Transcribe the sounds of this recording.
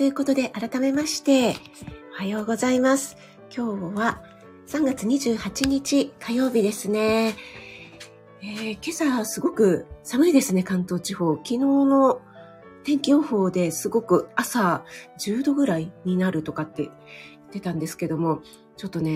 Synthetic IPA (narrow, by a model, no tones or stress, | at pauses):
t̪ojɯ̟ko̞t̪o̞d̪e̞ʔaɾat̪ame̞maɕi̥t̪e̞ | o̞hajo̞ːɡo̞zaimasɨ̥ | kʲʰo̞ːβa | sãŋɡat͡sɨɲ̟iʑɨːhat͡ɕiɲ̟it͡ɕikʰajo̞ːbʲid̪e̞sɨne̞ | eːke̞sasɨɡo̞kɯ̟samɯ̟id̪e̞sɨne̞kãnt̪o̞ːt͡ɕiho̞ːkʲino̞ːno̞ | t̪ẽ̞ŋkʲioho̞ːd̪e̞sɨɡo̞kɯ̟asaʑɨːd̪o̞ɡɯ̟ɾaiɲ̟inaɾɯ̟t̪o̞kat̪ːe̞̰ | i̥t̪ːe̞t̪ãnd̪e̞sɨ̥ke̞d̪o̞mo̞ | t͡ɕo̞t̪ːo̞ne̞